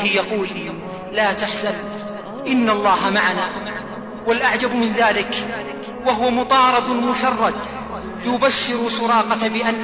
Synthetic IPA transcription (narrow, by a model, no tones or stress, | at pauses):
ɪjɑquːlː | aːt̪aħzal | ʔɪnːalˤːɑːɦamaʕanaː | walʔaʕd͡ʒabmɪnðaːlɪk | waɦʊwamʊt̪ˤɑːɾˤɑd̪mʊʃɑrˤːɑd̪ | jʊbaʃːɪɾʊsʊɾɑːqɑbɪʔanː